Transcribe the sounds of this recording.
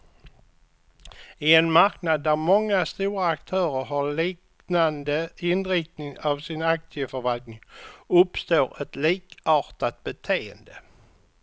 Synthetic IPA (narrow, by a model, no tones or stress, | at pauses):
ɪɛnmaɾknad̪ːæɾmɔŋːast̪uːɾaːkt̪ʰœːɾəɾɦaliːk | nand̪əɪnɾɪk̚t̪nɪŋavsɪnak̚t̪ɪfœɾvalt̪nɪŋɵpst̪oːɾɛt̪liːkɑːɾt̪at̪̚bɛt̪ʰeːə̰nd̪ə